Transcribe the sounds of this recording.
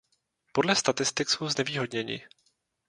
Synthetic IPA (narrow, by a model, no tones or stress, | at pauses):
po̞dlɛst̪at̪ɪst̪ɪkso̞wznɛviːɦo̞dɲɛɲɪ̰